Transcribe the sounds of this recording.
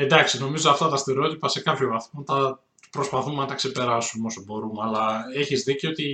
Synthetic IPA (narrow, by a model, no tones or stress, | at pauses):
e̞nd̪ɐksino̞mizoɐft̪ɐt̪ɐst̪eɾeo̞t̪ipɐse̞kɐpçovɐθmɐt̪ɐ | pɾo̞spɐθumenɐt̪ɐkse̞pe̞ɾɐsumeo̞sobo̞ɾumeɐlɐeçizðiceo̞t̪i